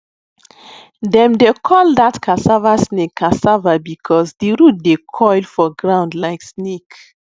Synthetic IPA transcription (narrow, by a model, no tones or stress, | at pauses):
dɛ̃mdekʰɔldatkʰasavasnekʰːasavabikʰɔsdiɹut̚dekʰɔɪlfɔɡɹãʊ̃ndlaɪksnek